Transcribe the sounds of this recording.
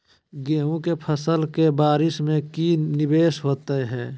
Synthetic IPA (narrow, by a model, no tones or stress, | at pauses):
ɡeːɦũkepʰəsəlkebaːɾɪsmẽkinɪbeːsɦoːt̪eɦɛː